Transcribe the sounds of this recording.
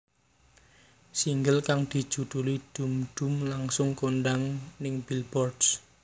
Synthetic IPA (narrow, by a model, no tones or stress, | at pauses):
siŋɡəlkaŋd̪̥i̤̥ʒ̥ṳd̪̥ṳlid̪̥ṳmɖ̪̥ṳmlaŋsʊŋkoɳɖaŋnɪŋb̥ilbɔrds